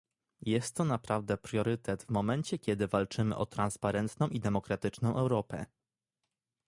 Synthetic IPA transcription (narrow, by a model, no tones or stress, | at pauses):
jɛst̪ːɔnapɾavd̪ɛpɾjɔɾɘt̪ɛt̪vmɔmɛnt͡ɕɛkʲɛd̪ɘvalt͡ʂɘmɘ̰ʔɔt̪ɾanspaɾɛnt̪nɔ̃w̃ʔid̪ɛmɔkɾat̪ɘt͡ʂnɔ̃w̃ʔɛwɾɔpɛ̰